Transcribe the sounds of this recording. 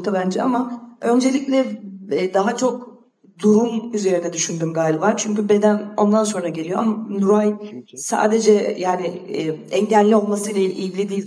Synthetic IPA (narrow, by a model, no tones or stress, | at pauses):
t̪ʰabænd͡ʒɛamaø̞nd͡ʒe̞lʲiclʲɛd̪aɦat͡ʃʰo̞k | d̪uɾumyze̞ɾinɛd̪yʃynd̪ymɡalʲivaɾt͡ʃʰyɲcybe̞d̪æno̞nd̪anso̞nɾaɟe̞lʲijo̞amanuɾajsa̰ːd̪e̞d͡ʒɛjaːnɪɛɲɟælʲlːʲio̞lˠmasɯilʲailʲʔiɟilʲid̪iː